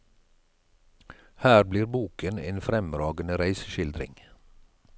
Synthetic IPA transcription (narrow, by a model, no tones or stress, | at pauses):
hæːɾbliːɾbuːkənḛːnfɾɛmɾɑːɡənəɾæɪsʃɪld̪ɾɪ̰ŋ